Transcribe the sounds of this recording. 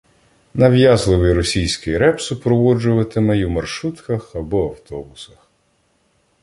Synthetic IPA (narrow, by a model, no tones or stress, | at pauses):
nɐwjɑzlˠɪʋɪjɾɔsʲijsʲkɪjɾɛpsʊpɾɔʋɔd͡ʒʊʋɐt̪ɪmɛjwmɐrʃut̪kɐxɐbɔɐwt̪ɔbʊsɐx